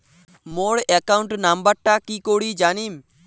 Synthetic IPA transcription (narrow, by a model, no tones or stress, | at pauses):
moːɽekaʊɳʈnambəɾʈaːkiːkoːɽiːd͡ʒaːniːm